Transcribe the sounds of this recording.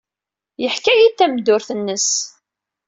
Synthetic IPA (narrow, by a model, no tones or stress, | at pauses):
jəħkæjit̪ːæmd̪ʊɾθənːəs